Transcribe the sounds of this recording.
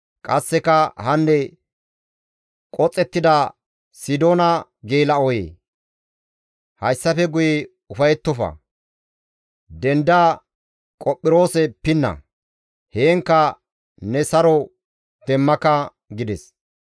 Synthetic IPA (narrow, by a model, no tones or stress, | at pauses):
kʼɐsːɛkɐhɐnːɛ | kʼɔt͡sʼːɛt̪ːɪd̪ɐ | sɪd̪o̞ːnɐɡeːlɐɔjḛː | hɐjsːɐfɛɡʊjɛ | ʊfɐjɛt̪ːɔfɐ̰ | d̪ɛnd̪a | kʼɔpʼːɪɾo̞ːsɛpɪnːɐ̰ | heːŋkːɐ | nɛsɐɾɔ | d̪̥ɛmːɐkɐ | ɡɪd̪ɛs